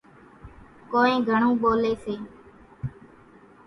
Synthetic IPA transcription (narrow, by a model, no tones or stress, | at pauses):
koːẽːɡʱəɳ̃õːɓoːleːseː